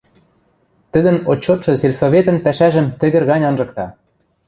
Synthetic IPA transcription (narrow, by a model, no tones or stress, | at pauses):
t̪ɘ̆d̪ɘ̆not͡ɕːot̪ʃɤ̆selʲsoβʲet̪ɤ̆npæʃæʒɘ̆mt̪ɘ̆ɣɘ̆rɣɑnʲɤnʒɤ̆kt̪ɑ